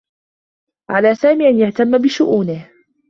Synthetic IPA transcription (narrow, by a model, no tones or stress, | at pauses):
ʕalaːsaːmiːʔanjaht̪amːabɪʃʊʔuːnɪh